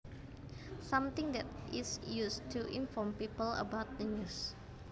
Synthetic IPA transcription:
sãmt̪ɪ̃ŋd̪ɛt̪isjust̪ʰuʔĩnfɔmpipələ̰bawt̪̚d̪ənus

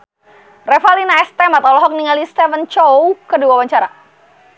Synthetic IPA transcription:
rɛfalinaɛst̪ɛmat̪awlɔɦɔk̚niŋalist̪ɛfənt͡ʃɔwkəduawaɲt͡ʃaɾa̰

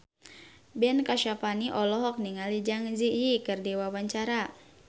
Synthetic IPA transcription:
bɛnkaʃapaniʔɔlɔɦɔk̚niŋalid͡ʒaŋzijikɨrdiwawaɲt͡ʃaɾa

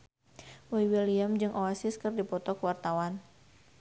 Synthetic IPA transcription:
bɔiwiliamd͡ʒɨŋʔoasɪskɨrdipɔt̪ɔkəwart̪awan

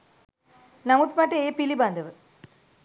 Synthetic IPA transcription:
nɐmut̪mɐʈːɐeːpilibɐnd̪ʱɐʋɨ

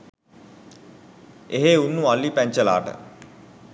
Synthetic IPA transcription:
eɦeunːualːipæɲt͡ʃəla̰ːʈə̰

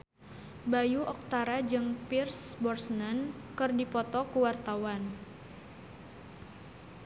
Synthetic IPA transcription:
bajuʔɔk̚t̪aɾad͡ʒɨŋpirsbɔrsnankɨrdipɔt̪ɔkuwart̪awan

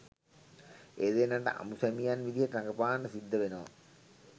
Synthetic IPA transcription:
eːd̪enːaɳʈəʔa̰musæmijanʋid̪ijəʈaŋɡəpaːɳɖəsid̪ːəʋenəʋa̰

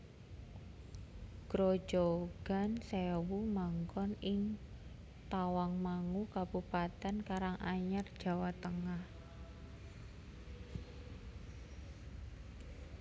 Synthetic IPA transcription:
ɡ̥ɾo̥d͡ʒoɡ̥a̤nsewumaŋkɔnɪŋ | t̪awaŋmaŋukabupat̪ɛnkaɾaŋʔaɲərd̥ʒ̥a̤wat̪əŋah

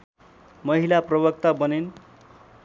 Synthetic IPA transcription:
mʌɦilaprʌbʌk̚t̪abʌnen

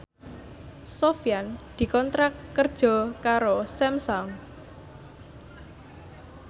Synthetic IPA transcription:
sofjand̪̥i̤kɔnt̪ɾakːərd̥ʒ̥ɔ̤kaɾosɛmsɔŋ

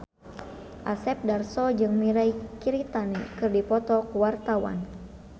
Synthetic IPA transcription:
ʔasɛp̚darsɔd͡ʒɨŋmiɾaikiɾit̪anikɨrdipɔt̪ɔkuwart̪awa̰n

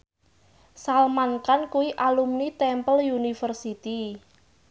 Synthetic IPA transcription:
salmankankuwiʔalumnit̪ɛmpəljunifərsit̪i

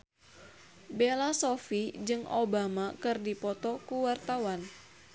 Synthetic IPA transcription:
belasofid͡ʒɨŋo̰bamakɨrdipɔt̪ɔkuwart̪awan

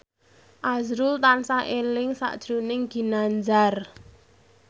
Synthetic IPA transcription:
ʔazɾult̪ansaʔelɪŋsa̰ʔd̥ʒ̥ɾunɪŋɡ̥i̤nand͡ʒar

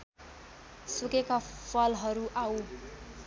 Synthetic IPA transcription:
sukekapʰʌlɦʌɾuʔaw

